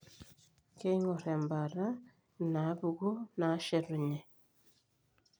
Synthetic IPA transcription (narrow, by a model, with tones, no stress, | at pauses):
ke˦i˦ŋo˨ɾe˨mba˨ɾa˦ | na˨˦βu˨ɣu˦na˨˦ʃe˨ɾu˨ɲe˨